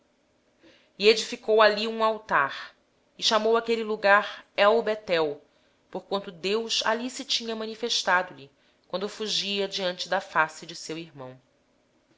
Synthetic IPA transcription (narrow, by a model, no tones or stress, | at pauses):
ied͡ʒifikowaliũawt̪aɾ | ɪʃamowakeliluɡaɾɛwbet̪ɛw | poɾkwɐ̃nt̪ʊd̪ewsa̰lisɪt͡ʃĩɲɐmɐ̃nifeʃt̪ad̪ʊlɪ | kwɐ̃nd̪ʊfuʒiɐd͡ʒiɐ̃nt͡ʃɪd̪ɐfasɪd͡ʒɪsewiɾmɐ̰̃w̃